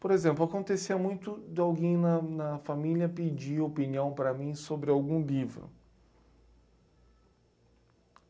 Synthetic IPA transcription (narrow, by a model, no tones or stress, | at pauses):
poɾezẽmplʊakõnt̪esiɐmũj̃t̪ʊd̪ɪawɡẽj̃nɐnɐfamilʲjɐpid͡ʒiopiniɐ̃w̃pɾɐmĩsobɾɪawɡũlivɾʊ̰